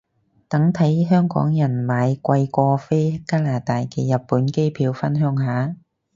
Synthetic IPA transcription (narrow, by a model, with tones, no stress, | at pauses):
t̪ɐ˨˥ŋt̪ʰɐ˨˥jɦœː˥ŋkɔ̰ː˨˥ŋjɐ˨˩nmaː˨˧jkʷɐ˧jkʷɔː˧fe˥jkaː˥laː˨˩t̪aː˨jkʰeː˨˩jɐ˨˩t̚pːuː˨˥nke˥jpʰiː˨˧wfɐ˥nɦœː˨˥ŋɦaː˨˥